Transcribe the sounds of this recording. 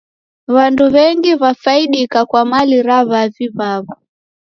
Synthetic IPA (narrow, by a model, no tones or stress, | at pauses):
βanduβɛŋɡiβafaiɗikakwamaliɾaβaviβaβɔ